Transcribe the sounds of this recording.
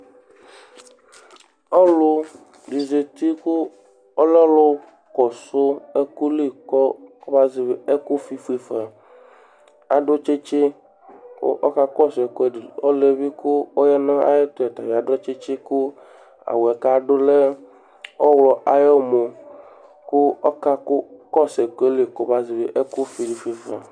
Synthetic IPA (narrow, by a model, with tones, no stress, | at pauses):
ɔ˦lʊ˦ | di˨ze˨t̪i˦kʊ˦ | o˦le˦lo˦ | kɔ˨so˦e˦ku˦li˦˨kɔ˦o˦ba˦zi˨βe˨e˦ku˦fi˦fu˦i˨fɛ˨ | a˨ɖo˦t͡ʃe˦t͡ʃḛ˦ | ʔɔ̰˦ka˦kɔ˦so˨e˨ko˦e˦di˨o˦le˦bi˦kʊ˦o˦jɛ˦nã˦a̰˦je˦t̪o˦ɛ˨t̪a˨vi˨a˨ɖɔ˦t͡ʃe˦t͡ʃe˦kʊ˦ | a̰˨wo˨ɛ˨ka˦ɖo˦le˦ | ɔ˦wlɔ˨a˨je˦mo˨ | kʊ˦ka˦kʊ˦kɔ˦se˨ke˦le˦˨kɔ˦ba˦zi˨be˦ʔe˦ku˦fi˨ɖi˨fi˦fa̰˨